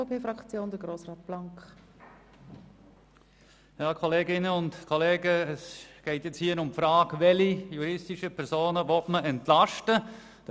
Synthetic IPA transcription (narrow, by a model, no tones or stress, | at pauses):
opʰeːfɾɑkt͡sjoːnd̥̪əɡɾoːsʁɑːt̚b̥laŋk | jɑːkʰɔleːɡɪnəʊntkʰɔleːɡəɛsɡ̥ɛɪtjɛt͡shiːəɾʊmpfɾɑːkʋɛlijuɾɪstɪʃəpʰɛɾsoːnəvɔtməʔɛntlɑʃtə | d̥